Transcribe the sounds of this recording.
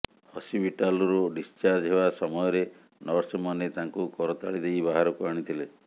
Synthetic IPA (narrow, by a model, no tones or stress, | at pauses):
hɔsibʱiʈalɔɾoɖist͡ʃaɾd͡ʒɦebasɔmɔjɔɾe | nɔɾsɔmanet̪aŋkukɔɾɔt̪aɭid̪ejbaɦaɾɔkuaɽ̃it̪ʰile